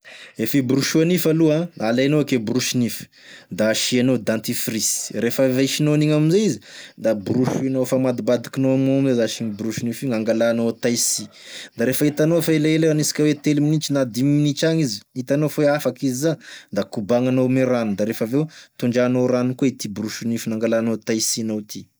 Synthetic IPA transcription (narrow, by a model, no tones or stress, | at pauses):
efibruʃuanifaluãalanoakebruʃinifi̥ | d̪aʃianod̪ãnt̪ifrisi̥refaveʃinoniŋaminzeizid̪abruʃuinofamad̪ibad̪i̥kinoanomizezaʃiɲibruʃinifiŋaŋɡalanot̪ajsi | d̪aɾefəit̪anofaelaelaanisi̥kʲawet̪eliminit͡ʃinad̪imminit͡ʃaɲizi̥it̪anofoafakizizad̪akubaŋanomeɾanud̪aɾefavewt̪uɳɖ͡ʐanoɾanukeit̪ibruʃunifinaŋɡalanot̪ajsinowt̪i